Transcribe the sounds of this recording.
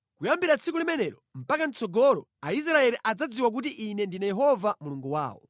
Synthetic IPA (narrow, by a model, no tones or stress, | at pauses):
kujambiɾat͡sʰikulimɛnɛɾɔm̩pakant͡sɔɡɔɾɔ | ais̬ɾaɛliʔad͡zad͡ziwak̬ut̬iʔːnɛndinajɛɦɔvamuluŋɡuwa̰ːwɔ̰